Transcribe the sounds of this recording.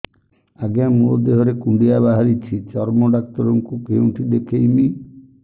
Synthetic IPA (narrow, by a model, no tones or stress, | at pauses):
aɡjamulɔd̪eɦɔɾekuɳɖiabaɦaɾit͡ʃʰit͡ʃɔɾmoɖak̚t̪ɔɾɔŋkukeuʈʰid̪ekʰejmi